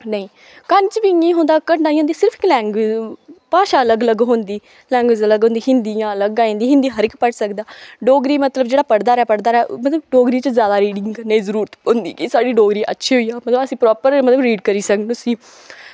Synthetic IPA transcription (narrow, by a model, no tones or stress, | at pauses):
nəĩː | kənt͡ʃbiŋiːɦõːnd̪aːkəɳɖaːĩːõːniːsɪɾəpʰɪklɛːŋɡeːd͡ʒpaːʃaːələɡələɡɦõːnd̪iː | lɛ̃ːŋɡʋeːd͡ʒələɡɦõːnd̪iːɦɪnd̪ijãːləɡãːĩːnd̪iːɦɪ̃nd̪iːɦəɾɪkpəʈsəkd̪aːɖoːɡɾiːmət̪ləbd͡ʒeːɽaːpəɽd̪aːɾɛːpəɽd̪aːɾɛːmət̪ləbɖoːɡɾiːt͡ʃəzjaːd̪aːɾiːɖɪŋɡnəĩːzəɾuːɾət̪ond̪ḭːkisaːɽiːɖoːɡɾiːʔə̰tːʃʰiːɦoiːaːmət̪ləbəsĩːpɾɔːpəɾmət̪ləbɾiːɖkəɾiːsəknʊsĩː